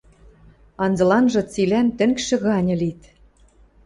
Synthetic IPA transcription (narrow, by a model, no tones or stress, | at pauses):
ɑnzɤ̆lɑnʒɤ̆t͡silænt̪ɘ̆ŋkʃɘ̆ɣɑnʲɤ̆lit̪